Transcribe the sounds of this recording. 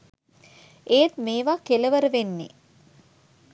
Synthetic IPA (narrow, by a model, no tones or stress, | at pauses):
eːt̪meːʋakeləʋəɾəʋenːḛ